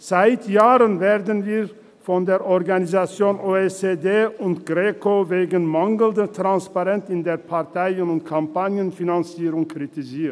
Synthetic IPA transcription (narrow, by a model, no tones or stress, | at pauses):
z̥aɪtʰjaːʁənveːɐdənviː | fɔndeːɐʔɔʁɡanizat͡sjoːnʔoːet͡sedeːʊntɡ̥ʁeːkoveːɡən̩maŋɡl̩dətʁ̥anspaʁɛntɪndeːɐpʰaʁtʰaɪənʊntkʰampanjənfinant͡siːʁʊŋkʁ̥itiziːɐt